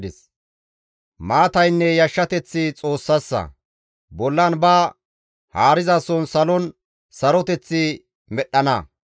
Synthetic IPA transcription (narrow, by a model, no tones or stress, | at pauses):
d̪ɪs | maːt̪ɐjnːɛjɐʃːɐt̪ɛt͡sːɪt͡sʼo̞ːsːɐsːɐ̰ | bɔlːɐnbaː | haːɾɪzaːsɔnsɐlɔn | sɐɾɔt̪ɛt͡sːɪ | mɛɗːɐnɐ